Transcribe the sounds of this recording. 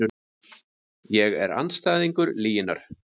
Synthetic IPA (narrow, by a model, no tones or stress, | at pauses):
jɛɣɛ̰ɾa̰nst̪aːjðiŋkʏɾliːjɪnaɾ̥